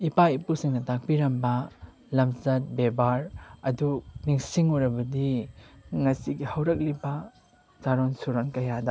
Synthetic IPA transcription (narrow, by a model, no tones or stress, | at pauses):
ipaipusiŋnɐtak̚biɾɐmbɐ | lɐmzɐt̚bebaɾɐduniŋsiŋuɾɐbɐdi | ŋɐsiɡihɐwɾɐk̚libɐ | zaɾonsuɾonkɐjadɐ